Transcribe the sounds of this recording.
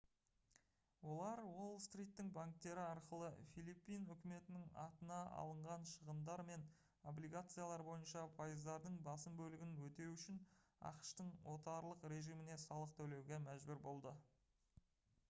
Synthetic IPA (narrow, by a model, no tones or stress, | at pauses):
wo̞lˠɑɾwo̞lˠst̪rʲijt̪ːɪŋbaŋk̚t̪e̞ɾɪɑɾqəlˠəfilˠipːijnʏkʲɪme̞t̪ɪnɪŋɑ̰t̪ənɑʔɑ̰lˠəɴʁɑnʃəʁəmd̪ɑɾme̞n | o̞blijɡat̪sɨjalˠɑɾbo̞jənʃɑpʰɑjəzd̪ɑɾd̪əɴbɑsəmbɵlɪɡʲɪnwɵt̪e̞ɾuʏʃɪnɑ̰qʃt̪əɴwo̞t̪ɑɾlˠəqɾe̞ʒijmɪne̞sɑlˠəq̚t̪ʰɵwle̞wɡʲe̞mæʒbʏɾbo̞lˠd̪ə